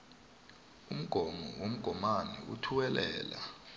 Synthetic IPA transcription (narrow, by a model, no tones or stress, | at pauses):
um̩ɡ̥ʱɔmɔwom̩ɡ̥ʱɔmanɛṵtʰuwɛlɛ̰ːla̰